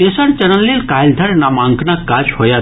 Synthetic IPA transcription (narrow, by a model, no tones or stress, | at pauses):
eːsɐnt͡ʃɐnɐlːeːlkaːjld̪ʱɐɾnamãːŋkʰnakːaːt͡ʃhoja